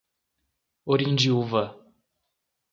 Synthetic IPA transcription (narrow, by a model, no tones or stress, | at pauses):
oɾĩnd͡ʒiuvɐ